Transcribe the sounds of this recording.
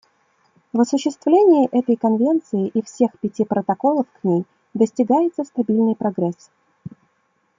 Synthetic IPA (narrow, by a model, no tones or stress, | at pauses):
vɐsʊɕːɪst̪vlʲenʲɪjɪʔɛt̪əjkɐnvʲe̞nt̪sɨɪʔifsʲe̞xpʲɪtʲipɾət̪ɐko̞lˠəfknʲej | d̪əsʲtʲɪɡajɪt̪səst̪ɐbʲilʲnɨjpɾɐɡɾɛs